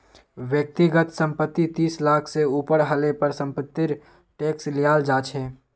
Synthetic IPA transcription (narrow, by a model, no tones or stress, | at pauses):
ʋjək̚t̪ɪɡət̪sə̃mpət̪ːit̪iːslaːkʰseuːpəɾɦəlepəɾsə̃mpət̪ːɪɾ | ʈeːkslɪjaːld͡ʒaːt͡ʃʰeː